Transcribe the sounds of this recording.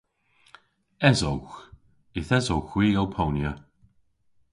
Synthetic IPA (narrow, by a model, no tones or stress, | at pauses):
ɛzowx | ɪθɛzowxwiːɡawpʰownjə